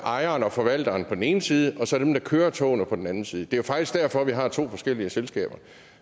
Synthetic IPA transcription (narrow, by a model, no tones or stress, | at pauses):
ʔɑ̈ɪɐːnɒ̽fɒ̽ʋæl̰d̥ɐːnpʰɒ̽d̥en̩e̝ːnəsiːð̞ˠəʔɒ̽sɒ̽æɐd̥emd̥ɑ̈kʰøːɐt͡sʰɔ̰ːnəpʰɒ̽d̥en̩ænn̩siːðˠəd̥e̝jofɑ̈ɡ̥d̥isɡ̥̚d̥æɐfɒ̽ʋiɦɑ̈t͡sʰo̝̰ːfɒ̽sɡ̥el̰iəselsɡ̥ɛ̰ːb̥ɐ